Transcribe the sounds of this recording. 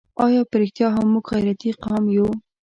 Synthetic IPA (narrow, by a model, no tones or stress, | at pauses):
ɑjɑpəɾɪxt̪jɑɦamːuɡɣajɾat̪iqɑmju